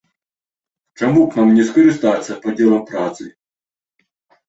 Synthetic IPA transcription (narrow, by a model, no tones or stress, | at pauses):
t͡ʂamuknamnʲɛskɐɾɨst̪at̪sːɐpɐd͡zʲɛlˠɐmpɾat̪sɨ